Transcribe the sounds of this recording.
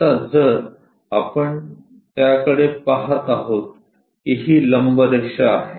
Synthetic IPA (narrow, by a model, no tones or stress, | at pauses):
t̪ad͡zəɾ | apəɳ | t̪jakəɽepaɦət̪aɦot̪̚ | kiɦiːləmbəd̪əkʂaaɦe